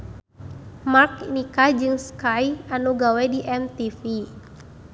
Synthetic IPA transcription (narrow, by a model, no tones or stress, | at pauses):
markinikad͡ʒɨŋskajanuɡawɛdiʔɛmt̪ifi